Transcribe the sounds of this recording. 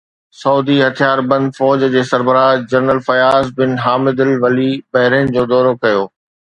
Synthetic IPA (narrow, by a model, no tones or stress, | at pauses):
sɐuːd̪iɦɐt̪ʰijaːɾbɐ̃nd̪fɔːd͡ʑd͡ʑeːsɐɾbəɾaːd͡ʑɐɾnəlfɐjaːzbɪnɦaːmɪd̪ɪlʋɐlibɐɦɪɾənd͡ʑoːd̪ɔːɾokɐjoː